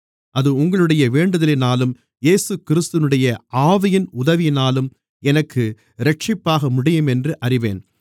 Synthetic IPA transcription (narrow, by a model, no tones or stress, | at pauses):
ʔɐðɯʊŋɡɐɭɯɽɐjɐʋeːɳɖɐðɐlɪnaːlɯm | jeːsɯkɪɾɯst̪ɯʋnɯɽɐjɐʔaːʋɐjɪnʊðɐʋɪjɪnaːlɯm | ɛnɐkːɯ | ɾɛʈ̚t͡ʃɪpːaːɣɐmʊɽɪjɯmɛndrɯʔɐrɪʋḛːn